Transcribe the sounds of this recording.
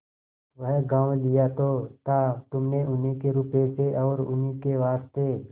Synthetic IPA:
ʋəɦɡãːʋlɪjat̪ot̪at̪ʊmneʔʊnɦikeɾʊpeseʔɔːɾʊ̰nɦikeʋaːst̪e

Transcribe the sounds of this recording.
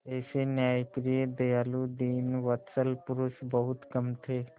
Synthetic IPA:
eːsenjaːjpɾied̪ejaːlud̪iːnʋət̪səlpʊɾʊsbəɦʊt̪kɐmt̪ʰeː

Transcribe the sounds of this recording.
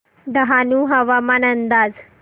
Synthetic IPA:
d̪əɦanuːɦəʋamanənd̪aːd͡z

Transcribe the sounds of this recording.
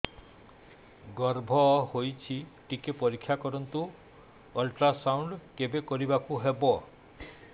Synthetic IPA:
ɡɔɾbʱɔhojt͡ʃʰiʈikepɔɾikʰːjakɔɾɔnt̪u | ɔlʈɾasawɳɖkebekɔɾibakuɦebɔ

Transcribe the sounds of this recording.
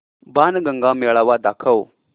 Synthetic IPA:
baːnɡɐŋɡaːmeɭaʋaːd̪aːkʰɐw

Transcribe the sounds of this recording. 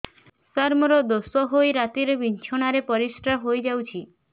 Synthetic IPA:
səɾmɔɾɔd̪osɔɦojɾat̪iɾebint͡ʃʰɔɽ̃aɾepɔɾisʈɾaɦojd͡ʒawt͡ʃʰi

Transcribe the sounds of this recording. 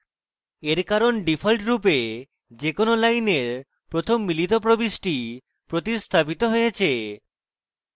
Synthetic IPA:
eɾkaɾonɖifʰolʈɾup̬e | d͡ʑekonolajneɾ | pɾot̪ʰomːilit̪opɾobiʃʈi | pɾot̪ist̪ʰapit̪oɦojet͡ɕʰe

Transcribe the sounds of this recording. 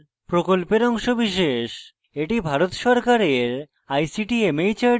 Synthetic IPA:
pɾokolpeɾɔŋʃobiʃeʃ | eʈibʱaɾot̪ʃɔɾkaɾeɾ | ajsiʈiemejt͡ɕa

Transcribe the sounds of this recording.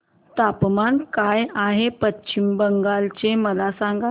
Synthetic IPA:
t̪apmankajaɦepətːɕimbəŋɡalt͡ɕeməlasaŋɡa

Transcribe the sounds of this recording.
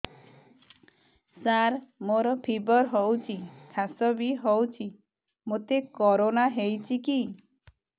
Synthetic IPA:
saɾmoɾɔpʰibɔɾɦɔwt͡ʃʰikʰasɔbiɦɔwt͡ʃʰi | mot̪ekɔɾonaɦejt͡ʃʰiki

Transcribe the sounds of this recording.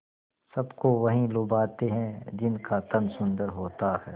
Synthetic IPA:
sɐbkoʋɐɦĩlʊbaːt̪eɦɛ̃d͡ʒɪnkat̪ɐnsʊ̃nd̪əɾɦoːt̪ahɛː

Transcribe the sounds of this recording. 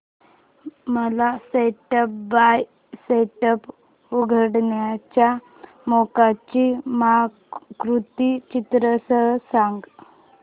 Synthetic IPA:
məlaseʈəp̚baj | seʈəp | uɡʱəɽɳjat͡ɕja | mokat͡ɕim | kɾut̪it͡ɕit̪ɾəsəɦsaŋɡ

